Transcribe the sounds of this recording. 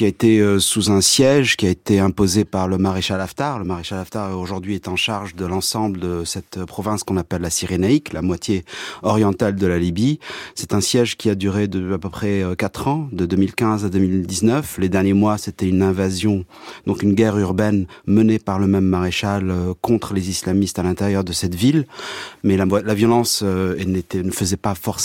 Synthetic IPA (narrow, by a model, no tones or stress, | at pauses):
kʲiaet̪eøsuzɛ̃sjɛʒkʲiaet̪eɛ̃pozepaʁləmaʁeʃalaft̪aʁləmaʁeʃalaft̪aʁoʒuʁd̪ɥiɛt̪ɑ̃ʃaʁʒd̪əlɑ̃sɑ̃bləd̪əsɛt̪pχɔvɛ̃skɔ̃napɛlːasiʁenaiklamwat̪jeɔʁjɑ̃t̪ald̪əlalibisɛt̪ɛ̃sjɛʒkʲʰiad̪yʁed̪əyapøpχɛøkat̪χɑ̃d̪əd̪ømilkʲɛ̃zad̪ømild̪iznœfled̪ɛʁnjemwaset̪ɛynɛ̃vazjɔ̃d̪ɔ̃kynɡʲɛʁyʁbɛnmənepaʁləmɛmːaʁeʃaløkɔ̃t̪χəlezislamist̪alɛ̃t̪eʁjœʁd̪əsɛt̪vilmɛlalavjɔlɑ̃søɛnet̪ɛnəfəzɛpafɔʁs